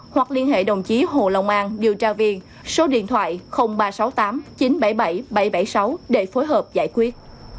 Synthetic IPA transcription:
hwa˨˩k̚li˧ənɦḛ˧˨ɗə˨˩wŋ͡mt͡ɕi˨˦ɦo˧˩lə̰˧˨wŋ͡mʔaː˧ŋɗi˨˩wt͡ɕaː˧vi˧əŋ | so˨˦ɗḭ˧˨ənt̪ʰwa̰ː˧˨jxə˧wŋ͡mɓaː˧sa˨˦wt̪aː˨˦mt͡ɕi˨˦nɓa˧˩jɓa˧˩jɓa˧˩jɓa˧˩jsa˨˦wɗe˧˩fo˨˦jɦəː˨˩p̚za̰ː˧˩jkwi˦˥ət̚

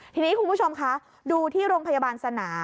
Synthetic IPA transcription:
t̪ʰiː˧niː˦˥kʰu˧nmʰpu˦˥˩o˧mkʰa˦˥ | duː˧t̪ʰiː˥˩ɾoː˧ŋpʰa˧jaː˧baː˧nsa˧naː˩˦

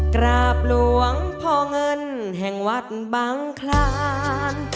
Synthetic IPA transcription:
kɾaː˧˩p̚lu˧˦əŋpʰɔː˧ŋɤ˧n | ɦɛ˨˩ŋwa˦˥˩t̪̚baː˧˥ŋkʰlaː˧n

